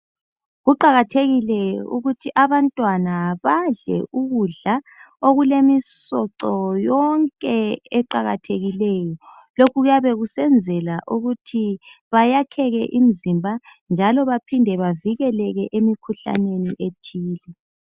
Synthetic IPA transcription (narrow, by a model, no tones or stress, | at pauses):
ɣuǃaɣatʰeɣilɛjɔṵɣutʰiʔaβantʼwanaβaɮɛ̰ʔuɣuɮa | oɣulemisɔǀɔjɔŋkʼɛɛǃaɣatʰeɣilɛːjɔ | lokʰuɣujaβɛɣusɛnd͡zʱɛlaʔuɣutʰiβajakʰɛɣɛ̰ʔim̩zimbʱand͡ʒʱalɔβapʰindʱɛβaviɣɛlɛɣɛʔemikʰuɬa̰neniʔetʰiːlɛ